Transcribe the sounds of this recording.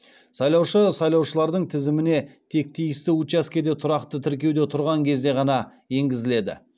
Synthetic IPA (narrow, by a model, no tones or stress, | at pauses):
sɑjlˠɑwʃəsɑjlˠɑwʃəlˠɑɾd̪əɴt̪ʰɪzɪmɪne̞t̪ʰe̞k̚t̪ʰijɪst̪ɪut̪t͡ʃɑskʲe̞d̪e̞t̪ʰʊɾɑqt̪ət̪ʰɪɾkʲe̞wd̪e̞t̪ʰʊɾʁɑŋkʲʰe̞zd̪e̞ʁɑnɑ | je̞ŋɡʲɪzɪle̞d̪ɪ̰